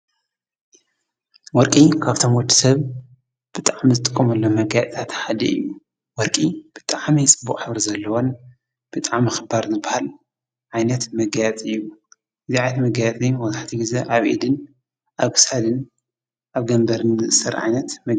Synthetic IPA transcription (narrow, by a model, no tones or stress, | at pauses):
wɔɾkʼikʰaβt̪ʰo̞mwɔd̪i̥sɐβ | b̥ɨt̪ʼaʕmizɨt̪ʼɨkʼːɐmɐlːomɐɡjat̪ʼt̪ʰat̪ħad̪ḭɨ̰jːu | wɔɾkʼib̥ɨt̪ʼaʕmijt͡sʼɨbːukʼħɨβɾizɐlːɐwon | b̥ɨt̪ʼaʕmɨxɨbaɾzɨbːahal | ʕajnɐt̪mɐɡajat͡s̪ʼɨjːu | ʔɨziʕajnt̪mɐɡajat͡sʼiwɔzaħt̪ʰiɡizeʔaβʔḭd̪ɨn | ʔaβkɨ̥sad̪ɨn | ʔaβɡɐmbɐɾɨnzɨʔɨsɐɾʕa̰jnɐt̪mɐɡ